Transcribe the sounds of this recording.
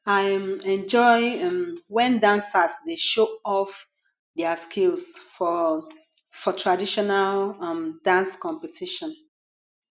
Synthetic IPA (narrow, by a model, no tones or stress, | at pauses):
aɪɛ̃nd͡ʒɔɪmwɛ̃ndãnsasdeʃoɔf | dɛaskʰilsfɔ | fɔtʰɹadiʃɔnalmdãnskɔ̃mpɛtʰiʃɔ̃n